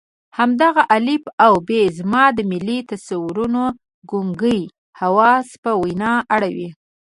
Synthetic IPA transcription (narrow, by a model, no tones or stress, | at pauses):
hamd̪aɣaʔalibawbezmɑd̪əmɪlːit̪asawɾuno | ɡuŋɡəj | hawɑspəwajnɑʔaɽawi